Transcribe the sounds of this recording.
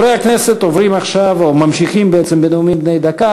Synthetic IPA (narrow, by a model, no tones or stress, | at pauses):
ɾejakneset̪ovɾimaχʃavomamʃiχimbeet͡ssembeneumimbnejd̪aka